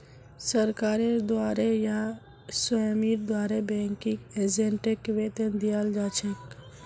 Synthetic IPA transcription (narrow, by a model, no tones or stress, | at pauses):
səɾkaːɾed̪waːɾeja | səjmiɾd̪waːɾebɛ̃ŋkĩked͡ʒẽɳʈekːʋet̪end̪ijald͡ʒaːt͡ʃʰek